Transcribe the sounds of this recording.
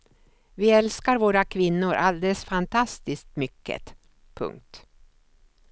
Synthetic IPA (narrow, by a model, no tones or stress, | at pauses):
vɪɛlskaɾvoːɾakʰvɪnːʊɾʔald̪ɛləsfant̪ʰast̪ɪsk̚t̪mʏkːə̰t̪ | pʰɵ̰ŋk̚t̪